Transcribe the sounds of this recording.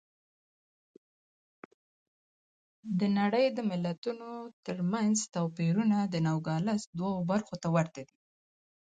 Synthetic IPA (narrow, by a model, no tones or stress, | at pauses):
d̪ənaɽəjd̪əmɪlat̪unot̪əɾmanzt̪awpiɾunad̪ənawɡɑlasd̪wawobaɾxot̪awaɾt̪ad̪i